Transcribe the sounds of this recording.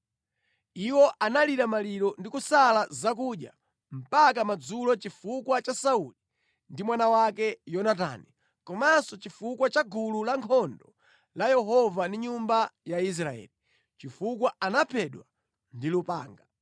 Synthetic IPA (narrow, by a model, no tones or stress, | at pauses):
iwɔʔanaliɾamaliɾɔndikusalazak̬uɗja̰ | m̩pakamad͡zulɔt͡ʃifukwat͡ʃasauli | ndimwanawakɛjɔnat̬a̰ːni | kɔmasɔt͡ʃifukwat͡ʃaɡululaŋkʰɔndɔ | lajɛɦɔvandiɲumbajais̬ɾaɛ̰ːli | t͡ʃifukwaanapʰɛɗwa | ndilupa̰ːŋɡa